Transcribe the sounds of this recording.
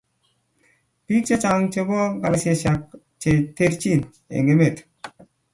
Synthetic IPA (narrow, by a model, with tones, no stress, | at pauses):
pi˦k̚t͡ʃe˦t͡ʃa˨ŋt͡ʃe˦bɔ˦ɡa˨la˨se˨ʃa˨k̚ | t͡ʃe˨t̪e˦ɾt͡ʃi˦˨n | ḛ˨ŋɡe˦me˦˨t̪